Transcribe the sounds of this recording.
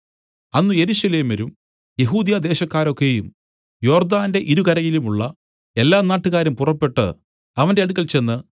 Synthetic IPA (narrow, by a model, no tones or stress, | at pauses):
ɐnːuje̞ɾuɕɐle̞ːmɐɾum | je̞ɦuːd̪jɐd̪e̞ːɕɐkːaːɾo̞kːe̞jum | jo̞ːrd̪aːnde̞ʔiɾukɐɾɐjilumuɭːɐ | e̞lːaːnaːʈːuɣaːɾumpurɐpːe̞ʈːɨ̰ | ɐʋɐnde̞ɐɽukːɐlt͡ɕe̞nːɨ